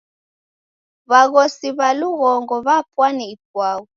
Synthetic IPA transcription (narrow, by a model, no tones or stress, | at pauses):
βaɣɔsiβaluɣɔŋɡɔβapwanɛip̚waɣu